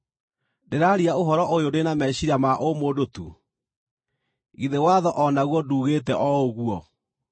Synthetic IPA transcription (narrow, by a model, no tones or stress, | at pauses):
deɾaɾiaoɦɔɾɔʔojodenamɛɕiɾamaʔomoːdotṵ | ɣiðewaðɔʔɔnaɣwɔduːɣeːtɛʔɔoɣuɔ